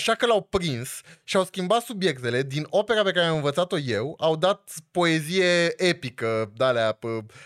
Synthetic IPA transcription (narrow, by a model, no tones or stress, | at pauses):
aʃakəlawpɾinsʃiawskʲimbat̪subje̞kt̪e̞le̞d̪ino̞pe̞ɾape̞kaɾeamɨnvət̪sat̪o̞je̞wawd̪at̪̚po̞e̞zije̞epikəd̪aleapə